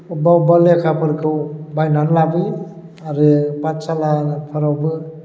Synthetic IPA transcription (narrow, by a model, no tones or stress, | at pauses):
ubawbalekʰapʰɯɾkʰɯwbajnanlabi | aɾɯpatsalapʰaɾawbɯ